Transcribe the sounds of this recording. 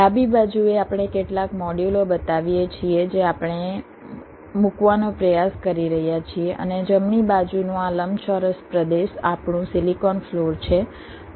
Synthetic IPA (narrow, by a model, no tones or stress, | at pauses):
abibad͡ʒueapɳ̃ekeʈlakmɔɽjulobət̪aʋijet͡ʃʰied͡ʒeapɳ̃e | mukʋanõpɾəjaskəɾiɾəɦjat͡ʃʰieʔə̰ned͡ʒəmɳibad͡ʒunũaləmt͡ʃɔɾəspɾəd̪eʃa̰pɳũsilikɔnfloɾt͡ʃʰe